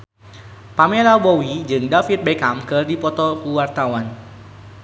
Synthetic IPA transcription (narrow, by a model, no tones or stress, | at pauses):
pamelabowid͡ʒɨŋdafit̪̚bekamkɨrdipɔt̪ɔkuwart̪awan